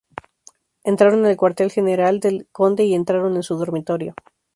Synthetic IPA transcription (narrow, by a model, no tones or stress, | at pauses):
e̞nt̪ɾaɾo̞nelkwaɾt̪e̞lxe̞ne̞ɾald̪elko̞nd̪e̞ie̞nt̪ɾaɾo̞ne̞nsuðo̞ɾmit̪o̞ɾjo̞